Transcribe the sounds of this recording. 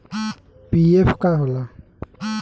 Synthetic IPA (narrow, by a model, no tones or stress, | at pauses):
pʼiɛfkʼahʊla